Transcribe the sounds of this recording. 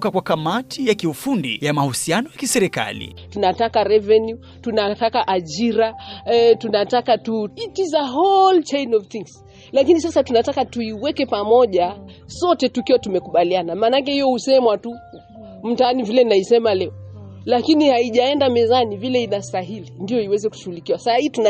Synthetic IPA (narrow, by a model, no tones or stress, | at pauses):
kakwakamatʰijakiufundḭjamahusianɔjakisɛɾɛka̰lḭ | tunatakaɾɛvɛnju | tunatakaʔaʄiɾatunatakatuitizaɦɔlt͡ʃejnɔvθiŋs | lakinis̬asatunatakatuiwɛkɛpamɔʄa | sɔtɛtukiwatumɛkuɓalianamaːnakɛhijɔhusɛmwatu | m̩taanivilɛninaisɛmalɛɔ | lakinihaiʄaɛndamɛzanivilɛinastaɦilindijɔiwɛzɛku̥ʃuhulikiwasasahituna